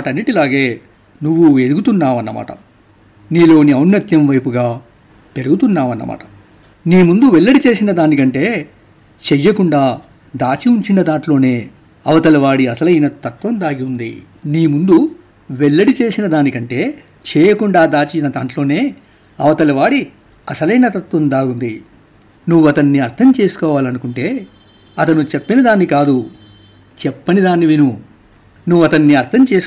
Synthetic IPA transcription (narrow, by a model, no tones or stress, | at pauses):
aʈɐnːiʈilaːɡeː | nuʋːue̞luɡut̪unːaːʋɐnːɐma̰ːʈɐ̰ | niːlo̞ːniɐwnːɐt̪jɐmʋɐjpuɡaː | peɾuɡut̪unːaːʋɐnːɐ̰mʔa̰ːʈɐ̥ | niːmund̪uʋɛɭːɐɽit͡ʃe̞ːsinɐd̪aːnikɐɳʈe̞ː | t͡ʃɛjːɐkuɳɖaː | d̪aːt͡ʃiuɲt͡ʃinɐd̪aːɳʈlo̞ːne̞ː | ɐʋɐt̪ɐlɐʋaːɽiɐsɐlɐjnɐt̪ɐt̪ʋɐmd̪aːɡiund̪ḭ | niːmund̪u | ʋɛɭːɐɽit͡ʃe̞ːsinɐd̪aːnikɐɳʈe̞ː | t͡ʃɛːjɐkuɳɖaːd̪aːt͡ʃinɐd̪aːɳʈlo̞ːne̞ː | ɐʋɐt̪ɐlɐʋaːɽi | ɐsɐlɐjnɐt̪ɐt̪ʋɐnd̪aːɡund̪i | nuʋːuɐt̪ɐnːiɐɾt̪ʰɐmt͡ʃe̞ːsu̥kɔːʋaːlɐnukuɳʈe̞ː | ɐt̪ɐnut͡ʃepːinɐd̪aːnːikaːd̪u | t͡ʃɛpːɐnid̪aːnːiʋinu | nuʋːɐt̪ɐnːiɐɾt̪ʰɐmt͡ʃe̞ːs